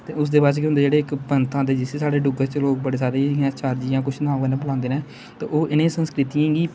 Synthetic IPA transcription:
t̪eːʊsd̪eːbaːt͡ʃkeɦʊnd̪eːd͡ʒeːɽeːɪkbənt̪ʰãːd̪eːd͡ʒɪseːsaːɽeːɖʊɡəɾt͡ʃloːk̚bəɽeːsaːɾeːãt͡ʃʰaːɾd͡ʒijãːkʊt͡ʃʰnãːɡanẽːbəlãːnd̪eːnẽː | t̪ḛːʔoːʔɪnẽːsənskɾɪt̪iãːɡiː

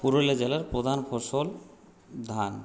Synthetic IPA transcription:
puɾoled͡ʑelaɾpɾod̪ʱanfʰosol | d̪ʱan

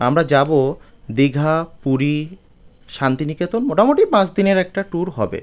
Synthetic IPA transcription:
amɾad͡ʑabo | d̪iɡʱapuɾi | ʃant̪iniket̪onmoʈamoʈipãt͡ɕd̪ineɾɛk̚ʈaʈuɾɦɔbḛ

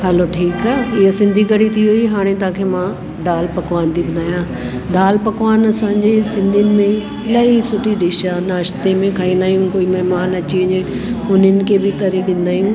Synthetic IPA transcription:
ɦɐloʈʰiːkaːɪɦəsɪ̃nd̪ʱikɐɽit̪ʰiɦuiɦaːɽ̃ẽt̪ãːkʰeːmã | ɖaːlpɐkʋaːnt̪ʰibɐnd̪aːijãː | ɖaːlpɐkʋaːnɐsãːɲd͡ʑesɪ̃nd̪ʱiənɪ̆mẽ | ɪlaːisʊʈʰiɗɪʃanaːʃt̪emẽkʰaːĩːn̆d̪aːɦijũkoːimɐɦmaːnɐt͡ɕiɐɲ | ʊnɪnɪ̆kʰebɪt̪ɐɾiɗɪ̃nd̪aːijũ

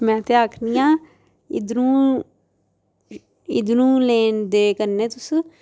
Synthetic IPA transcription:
mɛ̃ːt̪eːaːkʰniːjãː | ɪd̪nũː | ɪd̪nũːleːnd̪eːkəɾneːt̪ʊs

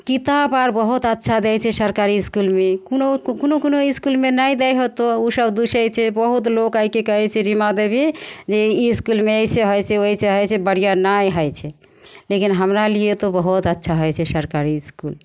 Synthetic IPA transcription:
kit̪abaɾbəɦut̪ətːʃʰad̪ɛjt͡ʃʰɛsəɾkaɾiskulmekunokonokunoiskulmenaj̃d̪ɛjɦot̪oosəbd̪uʃɛjt͡ʃʰɛbəɦut̪lokaikekəɦɛt͡ʃʰeɾimad̪ebid͡ʒeiskulmẽəiseɦojseoɦiseɦɔjt͡ʃʰɛbəɽ̤ijanajɦəjt͡ʃʰɛ | lekinɦəmɾaliet̪obəɦut̪ətːʃʰaɦojt͡ʃʰɛsəɾkaɾiskul

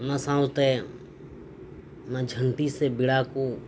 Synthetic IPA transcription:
nasãːt̪e | nad͡ʒʱəɳʈ̪iːsebɪɽaːko

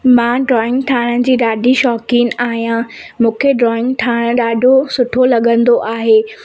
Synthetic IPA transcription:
mãːɖɾɔːɪ̃ŋɡʈʰaːɽ̃ənɪ̆d͡ʑiːɗaːɖʱiʃɔːkiːnaːɦijãmũːkʰeɖɾɔːɪ̃ŋɡʈʰaːɽ̃ə̆ɗaːɖʱosʊʈʰolɐɠə̃nd̪oʔaːɦeː

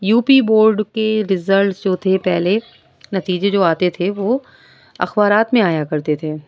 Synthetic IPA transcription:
juːpiboːɾɖkeɾɪzəlʈsd͡ʒoːt̪ʰepɛɦle | nɐt̪iːd͡ʒed͡ʒoːaːt̪et̪ʰeʋoː | ɐ̰xbaːɾaːt̪mẽaːjakɐɾt̪et̪ʰeː

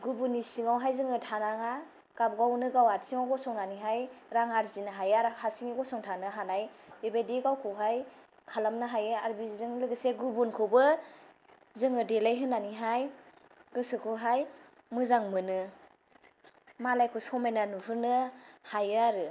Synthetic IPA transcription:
ɡubunisiŋawɦajzɯŋɯtʰanaŋa | ɡ̥ab̚ɡawnɯɡawatsiŋawɡɔsɔŋnaniɦajɾaŋaɾzinaɦajaɾakʰaɾsiŋiɡɔsɔŋtʰanɯɦanajbebediɡawkʰɯwɦaj | kʰalamnɯɦajɯaɾbizɯŋlɯɡɯseɡubunkʰɯbɯ | zɯŋɯdelajɦɯnaniɦaj | ɡ̥ɯsɯkʰuɦaj | mɯzaŋmɯnɯ | malajkʰusɔmajnanuɦɯnɯhajɯaɾɯ

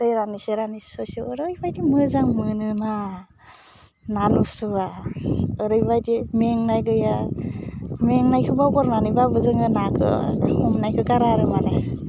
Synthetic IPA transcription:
ɯjɾaniseɾanisosɯɯɾɯjbajdimɯzaŋmɯnɯna | nanusɯβa | ɯɾɯjbajdimeŋnajɡɯja | meŋnajkʰɯbabɔɾnanɯbabɯzɯŋɯnakʰɯ̰ɔmnajkʰɯɡaɾaɾɯmana

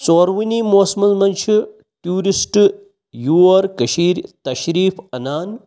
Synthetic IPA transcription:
soːɾʋinimoːsmɐnzmɐnʃʰi | ʈjuːɾisʈ | juːɐɾkɐʃiːɾt̪ɐʃɾiːfɐnaːn

